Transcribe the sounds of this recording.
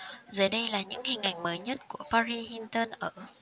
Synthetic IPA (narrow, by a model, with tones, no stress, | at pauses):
zəː˨˩jɗə˧jlaː˨˩ɲɨ̰˧˥ŋhï˨˩ŋ̟ʔa̰˧˩jŋ̟məː˨˦jɲə˦˥t̚ku˧˩əpaː˧zi˧hi˧nt̪əː˧nʔəː˧˩